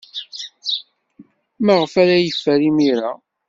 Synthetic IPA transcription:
maʁəfæɾæjəfːæɾimiɾa

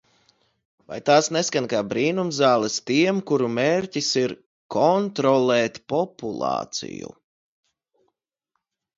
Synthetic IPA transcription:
va̰jt̪aːsneskanʲkaːbɾiːnumzaːlˠɛst̪iɛmkuɾumeːɾcisiɾ | kʰɔnt̪ɾɔlɛːt̪pɔpulˠɑ̰ːt̪sḭjṵ

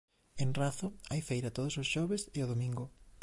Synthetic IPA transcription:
enraθʊajfejɾat̪oðʊsosʃɔβesɪoðomĩŋɡʊ

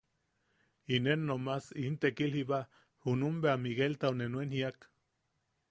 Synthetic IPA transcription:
inenːomasint̪ekiliβa | hunumbeamiɣelt̪aunenwenhiak

